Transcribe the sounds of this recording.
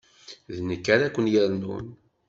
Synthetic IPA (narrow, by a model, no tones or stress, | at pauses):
ðnəkːaɾækʷːənjəɾnṵn